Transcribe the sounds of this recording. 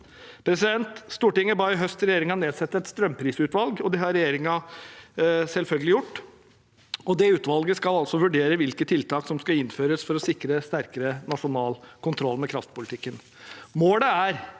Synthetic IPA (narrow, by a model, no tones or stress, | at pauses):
pʰɾɛsɪd̪ɛnt̪st̪uːʈɪŋːəbɑɪɦœst̪ɾɛjeːɾɪŋɑneːd̪sɛt̪ːəɾɛt̪st̪ɾœmːpʰɾiːsʉːt̪ʋɑlɡɔd̪ɛɦɑɾɛjeːɾɪŋɑ | sɛlfœlɡəlɪjʊʈː | ɔd̪ɛʉːt̪ʋɑlɡəskɑlɑlsɔʋʉɖeːɾəʋɪlkət̪ʰːɪlt̪ʰɑːksɔmskɑɪnːføːɾəsfɔɾɔsɪkɾəst̪æɾkəɾənɑʂʊnɑːlkʰʊnt̪ʰɾɔlːmɛkʰɾɑft̪pʊlɪt̪ɪkːən | moːləæɾ